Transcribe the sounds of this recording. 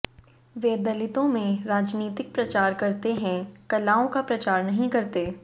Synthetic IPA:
ʋeːd̪ɐlɪt̪õmẽɾaːd͡ʒniːt̪ɪk̚pɾɐt͡ʃaːɾkɐɾt̪eɦɛ̃kɐlaːõkapɾɐt͡ʃaːɾnɐɦĩkɐɾt̪eː

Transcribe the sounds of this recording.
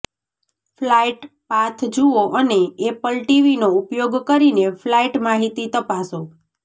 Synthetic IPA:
flaiʈpat̪ʰd͡ʒuoʔəneepəlʈiʋinoupjoɡkəɾineflaiʈmaɦit̪it̪əpaso

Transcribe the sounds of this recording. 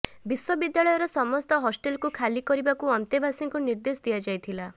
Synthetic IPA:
biswɔbid̪jaɭɔjɔɾɔsɔmɔst̪ɔɦɔsʈelkukʰalikɔɾibakuɔnt̪ebʱasiŋkuniɾd̪esɔd̪ijad͡ʒajt̪ʰila

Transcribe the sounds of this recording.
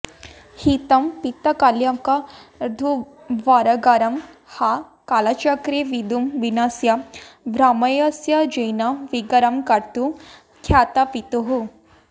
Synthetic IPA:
hit̪ɐmpit̪ɐkaljamkaɾd̪ʱu | ʋaɾɐɡaɾɐmha | kalat͡ʃakɾeʋid̪umʋinasjabɾamɐjasjad͡ʒɐjnaʋiɡɐɾɐmkɐɾt̪u | kʰjat̪apit̪uɦu

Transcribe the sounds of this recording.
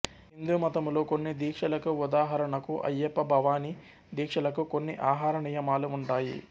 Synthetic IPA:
ɦind̪umɐt̪ɐmlo̞ːkonːid̪iːkʂɐlɐkuud̪aːɦɐɾɐɳɐkuʔɐ̰jːepːɐbʱɐʋaːni | d̪iːkʂɐlɐkukonːiʔaːɦaːɾɐɳijɐmaːluːɳʈaːjḭ

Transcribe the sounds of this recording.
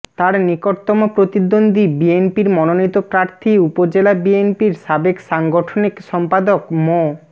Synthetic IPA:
t̪aɾnikoʈt̪ɔmopɾot̪id̪ond̪ibienpiɾmɔnonit̪opɾaɾt̪ʰiupod͡ʑelabienpiɾʃabekʃaŋɡoʈʰonikʃɔmpad̪okmo

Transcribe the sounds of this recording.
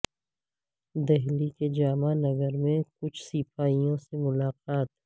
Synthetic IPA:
d̪ɛɦliked͡ʒaːmanɐɡəɾmẽkʊt͡ʃʰsiːpaːijõsemʊlaːqaːt̪

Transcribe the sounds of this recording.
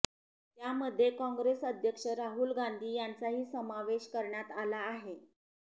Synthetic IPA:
t̪jaməd̪ʱːjekɔ̃ŋɡɾesəd̪ʱjəkʂəɾaɦuːlɡand̪ʱiːjant͡saɦiːsəmaʋeɕkəɾɳjat̪alaːɦe

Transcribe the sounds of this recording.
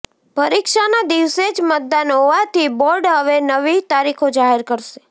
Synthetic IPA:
pəɾikʃanad̪iʋsed͡ʒmət̪̚d̪anɦoʋat̪iboɾɖɦəʋenəʋit̪aɾikʰod͡ʒaɦeɾkəɾʃe̥

